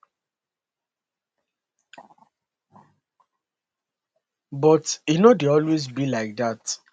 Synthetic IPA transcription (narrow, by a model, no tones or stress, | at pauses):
bɔtjunodeɔlwezbilaɪk̚dat